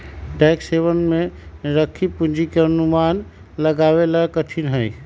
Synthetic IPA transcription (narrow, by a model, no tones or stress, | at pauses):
ʈɛkseβənmeɾəkʰːipund͡ʒikeənuman | ləɡaβelakəʈʰinɦəj